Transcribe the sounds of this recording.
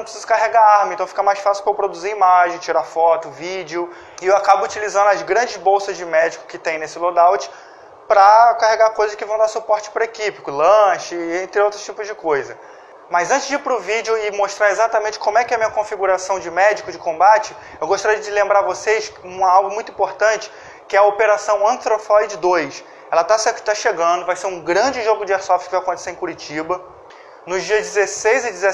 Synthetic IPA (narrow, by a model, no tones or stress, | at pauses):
nɐ̃pɾsizʊkaɦeɡaaɾmɐ̃ẽt̪ɐ̃w̃fikɐmajsfasɪukewpɾod̪uziimaʒẽj̃t͡ʃiɾafɔt̪ʊvid͡ʒɪʊ | ɪewakabʊːt͡ʃilizɐ̃nd̪ʊɐzɡɾɐ̃nd͡ʒɪzbowsɐzd͡ʒɪmɛd͡ʒɪkʊ̥kɪt̪ẽj̃nesɪlod̪awt͡ʃɪ̥ | pɾɐkaɦeɡakojzɐskɪvɐ̃w̃d̪asupɔɾt͡ʃɪ̥pɾɐekipɪkʊlɐ̃ʃɪẽnt̪ɾɪowt̪ɾʊst͡ʃipʊzd͡ʒɪkojzɐ | mɐzɐ̃nt͡ʃɪzd͡ʒiɾpɾʊvid͡ʒɪʊɪmoʃt̪ɾaɾezat̪ɐmẽnt͡ʃɪkõmʊɛkɪɛɐmĩɲɐkõfiɡuɾasɐ̃w̃d͡ʒɪmɛd͡ʒɪkʊd͡ʒɪkõmbat͡ʃɪ | ewɡoʃt̪aɾiɐd͡ʒɪlẽmbɾaɾvosejʃũmɐawɡʊmũj̃t̪ʊĩpoɾt̪ɐ̃t͡ʃɪ̥ | kɪɛɐopeɾasɐ̃w̃ɐ̃t̪ɾofɔid͡ʒɪd̪ojs | ɛlɐt̪ast̪aʃeɡɐ̃nd̪ʊvajseɾũɡɾɐ̃d͡ʒɪʒoɡʊd͡ʒɪɛɾsɔft͡ʃkɪvajaɐkõt̪e̥seɾẽkuɾit͡ʃibɐ | nʊzd͡ʒiɐzd͡ʒɪzesejzɪd͡ʒɪze